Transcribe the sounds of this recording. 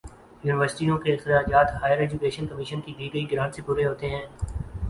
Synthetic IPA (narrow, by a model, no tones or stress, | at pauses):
juːnɪʋəɾsɪ̥ʈiõkeɪxɾɪaːd͡ʒaːt̪ɦaːjəɾeːd͡ʒʊkeːʃənkɐmɪːʃənkiːd̪iːɡəiɡɪɾãːnt̪sɪpʊɾeɦoːt̪eɦɛ̃ː